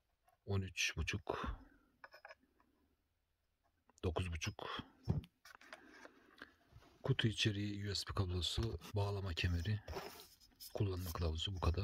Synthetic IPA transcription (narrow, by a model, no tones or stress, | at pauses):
o̞nyt͡ʃbut͡ʃʰuk | d̪̥o̞kʰuzbut͡ʃʰuk | kʰut̪ʰuit͡ʃʰe̞ɾijijuɛspʰikʰablˠosɯbaːlˠamacʰemeɾi | kʰulˠːanmakʰlˠabˠzɯbukʰad̪aɾ